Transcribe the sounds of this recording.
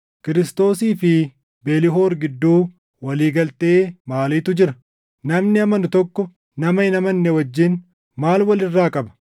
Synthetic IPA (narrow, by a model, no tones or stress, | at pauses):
kɪɾɪst̪o̞ːsiːfɪ | beːlɪɦo̞ːɾɡɪd̪ːuː | wɐliːɡɐlt̪e̞ːmaːliːt̪ʊd͡ʒɪɾɐ | nɐmnɪɐmɐnʊt̪ɔkːɔ | nɐmɐɪnɐmɐnːɛwɐd͡ʒːɪn | maːlwɐlɪrːaːkʼɐbɐ̥